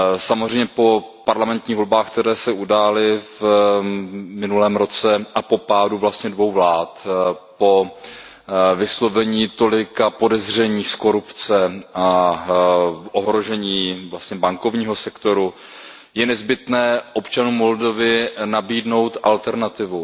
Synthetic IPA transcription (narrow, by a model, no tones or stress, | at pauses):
samozr̝ɛjmɲɛpo̞paɾlamɛnt̪ɲiːɣvo̞lbaːxkt̪ɛɾɛːsɛudaːlɪv | mɪnulɛːmɾo̞t͡sɛʔapo̞paːduvlast̪ɲɛdvo̞wvlaːt̪po̞ | vɪslo̞vɛɲiːt̪o̞lɪkapo̞dɛzr̝ɛɲiːsko̞ɾupt͡sɛa | ʔoɦɾo̞ʒɛɲiːvlast̪ɲɛbaŋko̞vɲiːɦo̞sɛkt̪o̞ɾu | jɛnɛzbɪt̪nɛːʔo̞pt͡ʃanuːmːo̞ldo̞vɪnabiːdno̞wt̪ʔalt̪ɛɾnat̪ɪvu